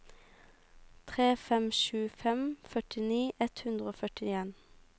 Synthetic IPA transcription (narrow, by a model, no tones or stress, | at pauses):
t̪ʰʁeːfɛmʃʉːfɛmfœʈɪniːʔɛt̪hʉnd̪ʁoːfœʈɪeːn